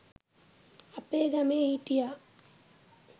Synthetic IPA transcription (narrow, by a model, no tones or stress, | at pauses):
apeːɡameːitija